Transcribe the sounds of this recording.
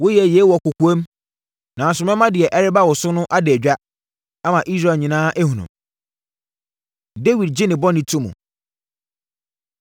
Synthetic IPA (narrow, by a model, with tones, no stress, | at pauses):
wo˦jɛ˨jɛ˨˦wɔ˨kʊ˨ku˨˦ẽ˦m | nã˨sʊ˨mɛ̃˦mã˦dɪ˨ɛ˨ʔɛ˦ɾɪ˦ba˦wɔ˨sʊ˦nʊ̃˦ʔa˦dɪ˨æ˨d͡ʑᶣa˦ | a˦mã˨ʔi˦sɾa˨ɲĩ˨nãː˦ʔæ˦hũ˨nṵ̃˨m | de˦wi˨d̚d͡ʑɪ˦nɪ̃˨bɔ˦nɪ̃˨tʰũ˦mṵ̃˨